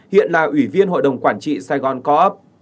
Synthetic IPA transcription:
hḭ˧˨ənlaː˨˩ʔwi˧˩vi˧ənho̰˧˨jɗə˨˩wŋ͡mkwaː˧˩nt͡ɕḭ˧˨saː˧jɣɔ˨˩nkɔ˨˦ʔə˦˥p̚

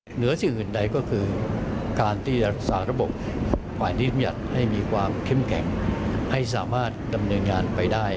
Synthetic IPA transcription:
nɯ˩˦ɐsi˨˩ŋʔɯː˨˩nda˧jkɔː˥˩kʰɯː˧kaː˧nt̪ʰiː˥˩a˦˥k̚saː˩˥ɾa˦˥bo˨˩p̚ | pʰaː˨˩jnʰi˥˩a˧mja̰˨˩t̪̚ha˥˩jmiː˧kʰwaː˧mkʰe˥˩mkʰɛ̰˨˩˦ŋha˥˩js̬aː˩˦maː˥˩t̪̚da˧mnɤː˧nŋaː˧npa˧jdaː˥˩j

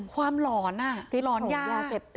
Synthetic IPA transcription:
kʰwaː˧mlɔː˨˩˦na˧˩i˧˦lɔː˨˩˦njaː˥˩lɔ˧˩e˨˩p̚t̪

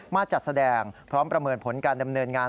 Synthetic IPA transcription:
maː˥˩t͡ɕa˨˩t̪̚sa˧dɛː˧ŋpʰɾɔː˦˥mpɾa˧mɤː˧npʰo˩˦nkaː˧nda˧mnɤː˧nŋaː˧

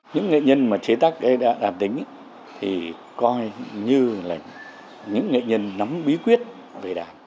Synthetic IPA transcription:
ɲɨ̰˧˥ŋːḛ˧˨ɲə˧nmaː˨˩t͡ɕe˨˦t̪aː˦˥k̚ɗə˨˦jɗa̰ː˧˥ɗaː˨˩t̚t̪ï˨˦ŋ̟ | t̪ʰi˨˩ | kɔ˧jɲɨ˧la˨˩ŋ̟ | ɲɨ̰˧˥ŋːḛ˧˨ɲə˧nːa˨˦mɓi˨˦kwi˦˥ət̚ | ve˨˩ɗaː˨˩t̚

